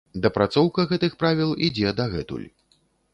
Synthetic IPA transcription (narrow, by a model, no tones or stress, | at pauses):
d̪ɐpɾat̪sɔwkɐɣɛt̪ɨxpɾavʲilˠid͡zʲɛd̪ɐɣɛ̰t̪ṵlʲ